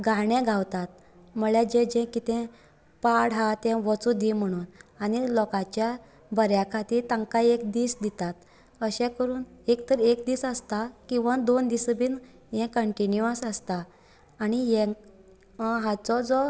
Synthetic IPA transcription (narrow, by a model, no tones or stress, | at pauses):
ɡʱaɳɛ̃ɡʱawt̪at̪̚ | məɭɛd͡ʑɛ̃d͡ʑɛ̃kit̪ɛ̃ | paɽɦãt̪ɛ̃ʋət͡sud̪im̤əɽ̃uːnanilɔkãt͡ɕja | bəɾjakʰat̪iːt̪ãŋkaekd̪iːsd̪it̪at̪ | əɕɛ̃kəɾuːnekt̪əɾekd̪iːsəst̪akĩw̃ʋad̪ond̪isəbiːn | jɛ̃kəɳʈinjuə̃səst̪aː | nijɛ̃k | ɦat͡sɔd͡zɔ